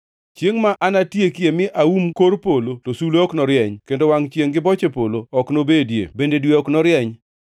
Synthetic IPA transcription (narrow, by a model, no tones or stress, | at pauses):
t͡ʃjeŋmaʔanatjekjemɪʔaumkoɾpolotosuloɔknɔɾjɛɲkendowaŋt͡ʃjeŋɡɪbɔt͡ʃepoloɔknobedjḛbendedweɔknɔɾjɛɲ